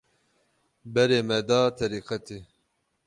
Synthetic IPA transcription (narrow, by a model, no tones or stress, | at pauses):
bɛɾeːmɛd̪ɑːt̪ʰɛɾiːqɛt̪ʰe